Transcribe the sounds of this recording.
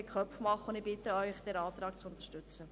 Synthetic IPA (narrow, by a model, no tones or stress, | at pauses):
ɪkʰœpfmɑχːəʊnd̪ɪbɪt̪əœʏχd̪ɛːɾɑːt̪ɾɑːkt͡sʊnt̪əʃtʉt͡sə